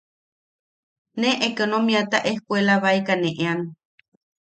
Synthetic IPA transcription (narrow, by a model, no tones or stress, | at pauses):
neʔekonomiat̪aʔehkʷelaβaijkaneʔeaŋ